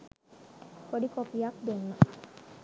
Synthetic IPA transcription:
poɖikopijak̚d̪uŋːə

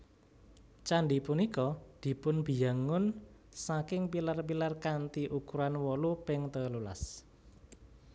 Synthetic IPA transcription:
t͡ʃaɳɖipunikɔd̪̥i̤pʊnb̥i̤jaŋʊn | sakɪŋpilarpilarkant̪iʔukuɾanwɔlupɪŋt̪əlula̰s

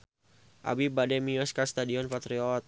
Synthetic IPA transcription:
ʔa̰bibadɛmiɔskast̪adiɔnfat̪ɾiɔt̪̚

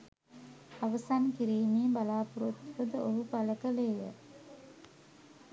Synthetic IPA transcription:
aʋəsankiɾiːmiːbalaːpuɾut̪ʋəd̪əʔoɦupaləkəleːjə̰

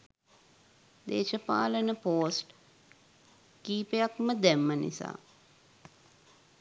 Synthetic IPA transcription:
d̪ḛːʃəpa̰ːlənəpoːsʈ | kiːpejakməd̪æmːənḭsa̰ː

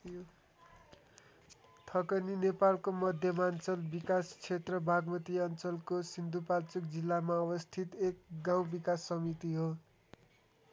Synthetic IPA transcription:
t̪ʰʌkʌninepalkomʌd̪ʱjʌmant͡sʌlbikast͡sʰet̪rʌbʱaɡmʌt̪iʌnt͡sʌlkosind̪ʱupalt͡suk̚d͡zilːamaʌbʌst̪ʰit̪ek̚ɡaw̃bikasːʌmit̪iɦo

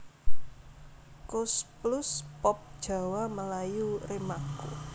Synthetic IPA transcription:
kʊsplʊspɔp̚d̥ʒ̥a̤waməlajuremakṵ

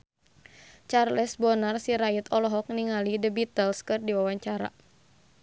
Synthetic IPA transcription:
t͡ʃarlɛsbɔnarsiɾait̪ɔlɔɦɔk̚niŋalidəbit̪əlskɨrdiwawaɲt͡ʃaɾa̰

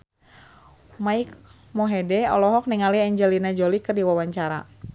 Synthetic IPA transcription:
maik | mɔɦɛdɛɔ̰lɔɦɔk̚niŋaliɛɲd͡ʒɛlinad͡ʒolikɨrdiwawaɲt͡ʃaɾa̰

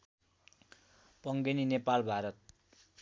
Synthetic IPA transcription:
pʌŋɡeninepalbʱaɾʌt̪̚

